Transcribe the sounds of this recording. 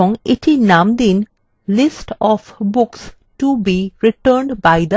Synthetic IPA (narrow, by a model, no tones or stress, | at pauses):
ɔ̃ŋɪʈʰinãmd̪ĩn | lɪsʈɔfbʊks | ʈubiɾiʈəɾɳɖbaɪd̪ə